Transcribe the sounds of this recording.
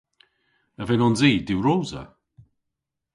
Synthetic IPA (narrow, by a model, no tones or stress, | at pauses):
əvɛnɔnziːdɪwɾowzə̰